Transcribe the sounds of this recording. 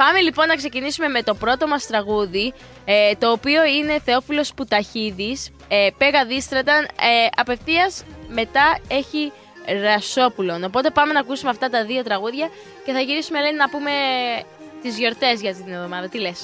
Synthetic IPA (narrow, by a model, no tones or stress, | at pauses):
pɐmelipo̞nːɐkse̞cinisume̞me̞t̪o̞pɾo̞t̪o̞mɐst̪ɾɐɣuði | et̪o̞ːpio̞ine̞θe̞o̞filo̞sput̪ɐçiðis | epeɣɐðist̪ɾɐt̪ɐneɐpe̞fθiɐsme̞t̪ɐe̞çi | ɾɐso̞pulo̞no̞po̞t̪e̞pɐme̞nɐːkusumeɐft̪ɐt̪ɐðio̞t̪ɾɐɣuðʝɐ | ce̞θɐʝiɾisume̞lennɐpume̞ | t̪izʝo̞ɾt̪e̞zʝɐft̪it̪inevðo̞mɐðɐt̪ile̞s